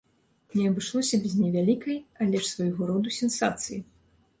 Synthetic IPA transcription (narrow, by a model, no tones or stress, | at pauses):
nʲɛɐbɨʂlˠɔsʲɐbʲɛzʲnʲɛvʲalʲikɐjalʲɛʂsvajɣɔɾɔd̪usʲɛnsat̪sɨjḭ